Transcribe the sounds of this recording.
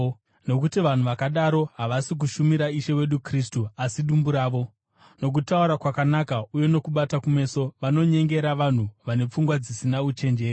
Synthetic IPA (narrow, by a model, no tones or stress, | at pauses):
no̞kutiʋan̤uʋakaɗaɾo̞ɦaʋasik̬uʃumiɾaiʃe̞we̞ɗukris̬tuasiɗumbuɾaːʋo̞ | no̞k̬utauɾakwakanakauje̞no̞kuɓatakume̞so̞ʋano̞ɲe̞ŋɡe̞ɾaʋan̤uʋane̞p͡fuŋɡwad͡zisinaut͡ʃe̞nd͡ʒe̞ːri